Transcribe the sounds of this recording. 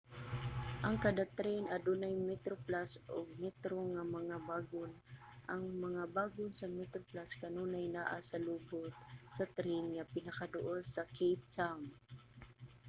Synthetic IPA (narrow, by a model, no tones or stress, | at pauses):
ʔɐŋkad̪at̪ɾɛjnɐd̪unajmɛt̪ɾoplasoɡ̚mɛt̪ɾoŋamɐŋabaːɡʊn | ʔaŋmɐŋabaːɡʊnsɐmɛt̪ɾoplaskanuːnajnaʔasɐlubʊt̪̚sɐt̪ɾɛjnŋapɪnɐkad̪ʊʔolsakʰejp̚t̪am